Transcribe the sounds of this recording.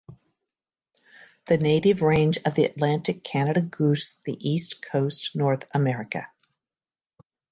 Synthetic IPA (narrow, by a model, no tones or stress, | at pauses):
ðɨneɪɾɨvɹẽɪ̃nd͡ʒʌvðiɨ̰ʔˡlæ̃ntɨkʰænɨɾɨɡʉsðiʔiskʰoʊstnɔɹθəmɛɹɨkɨ̰